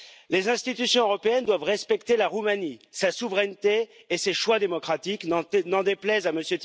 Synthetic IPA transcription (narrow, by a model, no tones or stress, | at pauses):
lezɛ̃st̪it̪ysjɔ̃øʁɔpeɛnd̪wavʁɛspɛkt̪elaʁumanisasuvʁɛnt̪eː | seʃwad̪emɔkχat̪iknɑ̃d̪eplɛzaməsjøt̪